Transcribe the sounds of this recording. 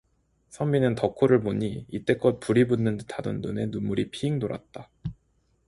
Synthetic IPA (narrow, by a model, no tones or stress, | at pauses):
sʰʌmːinɯntʌkʰoɾɯɭpoɲiit͈e̞k͈ʌt̚puɾibunːɯntado̰nːune̞numuɾipʰiːŋnoɾa̰t̚t͈a